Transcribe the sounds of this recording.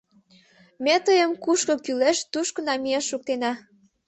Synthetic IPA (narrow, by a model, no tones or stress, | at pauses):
met̪əjəmkuʃkokyleʃt̪uʃkə̆nɑmieʃuk̚t̪enɑ